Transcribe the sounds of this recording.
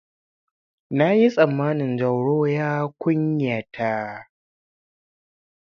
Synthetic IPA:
na˦ji˦sʼɐ˨mːaː˦nɪ˨nd͡ʒɐ˨wɽoː˦jaː˦kʷʊ˦ɲja˨tʰa˦

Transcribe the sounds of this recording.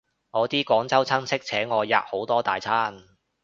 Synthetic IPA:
ŋɔː˨˧t̪iː˥kɔː˨˥ŋt͡sɐ˥wt͡sʰɐ˥nsʰɪ˥k̚t͡sʰɛː˨˥ŋɔː˨˧ja̰ː˨p̚ho˨˥wt̪ɔː˥t̪a̰ː˨˩jt͡sʰaː˥n

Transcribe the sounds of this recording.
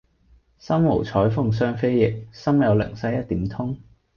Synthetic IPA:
sɐ˥mmo̰˨˩wt͡sʰɔː˨˥jfʊ˧ŋs̬œː˥ŋfe˥jjɪ˨k̚sɐ˥mjɐ˨˧wlɪ̰˨˩ŋsɐ˥jɐ˥t̚t̪iː˨˥mt̪ʰʊ˥ŋ

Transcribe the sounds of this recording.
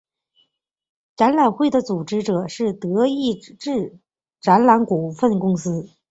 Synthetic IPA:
ʈ͡ʂa˧˥nla˨˩nxwe˥˩ɪd̪ə˩t͡su˨˩ʈ͡ʂɻ̩˥ʈ͡ʂɤ˨˩ʂɻ̩˥˩t̪ɤ˧˥i˥˧ʈ͡ʂɻ̩˥˩ | ʈ͡ʂa˧˥nla˧˥nku˨˩fə˥˩nkʊ˥ŋsɹ̩˥

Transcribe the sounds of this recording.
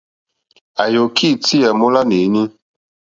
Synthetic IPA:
a˨jo˨kʰi˦˨ti˦a˨mo˦la˦ne˨˦ɲi˦

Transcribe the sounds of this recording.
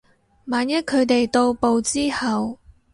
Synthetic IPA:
maː˨˧njɐ˥t̚kʰɵ˨˧ɥt̪e˨jt̪o˧wpo˨wt͡siː˥hɐ˨w

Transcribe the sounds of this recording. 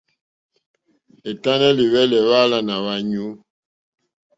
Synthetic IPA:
e˨ta˦nɛ˦li˨βɛ˦lɛ˨βa˦la˦na˨βa˨ɲu˦

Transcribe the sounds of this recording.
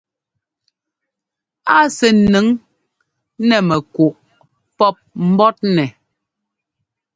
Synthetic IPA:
a˦sɛ˨nɨ˨˦ŋ | nɛ˨mɛ˨ku˨ʔ | pɔ˦p̚m̩˦bɔ˦t̚nɛ˨

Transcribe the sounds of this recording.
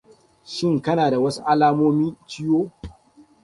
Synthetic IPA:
ʃɪ˦˨ŋkɐ˦naː˨da˨wɐ˦su˦ʔa˦laː˦moː˦miː˦t͡ʃɪ˦joː˦

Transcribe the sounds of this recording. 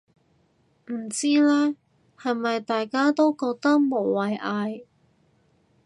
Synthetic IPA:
m̩˨˩t͡siː˥lɛː˥ | hɐ˨jmɐ˨jt̪aː˨jkaː˥t̪o˥wkɔː˧k̚t̪ɐ˥k̚mo˨˩wwɐ˨˩jʔaː˧j

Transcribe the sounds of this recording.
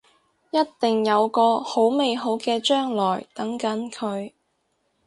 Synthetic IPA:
jɐ˥tt̪ɪ˨ŋjɐ˨˧wkɔː˧ho˨˥wme˨jɦo˨˥wkɛː˧t͡ʃœː˥ŋlɔː˨˩jt̪ɐ˨˥ŋkɐ˨˥nkʰɵ˨˧ɥ

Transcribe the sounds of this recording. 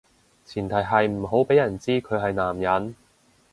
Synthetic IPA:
t͡sʰiː˨˩nt̪ʰɐ˨˩jɦɐ˨jm̩˨˩ɦo˨˥wpe˨˥jɐ˨˩nt͡siː˥kʰɵ˨˧ɦɐ˨jnaː˨˩mjɐ˨˥n

